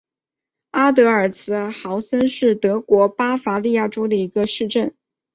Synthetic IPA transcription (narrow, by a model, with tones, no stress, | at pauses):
a˥t̪̬ɤ˧˥ə˞˨˩t͡sʰɹ̩˧˥xɑ˧˥ʊsə˥nʂɻ̩˥˩t̪ɤ˧˥kwɔ˧˥pa˥fa˧˥li˥˧ja˥˩ʈ͡ʂo˥ʊd̪ə˨i˧˥ɡə˧ʂɻ̩˥˧ʈ͡ʂə˥˩n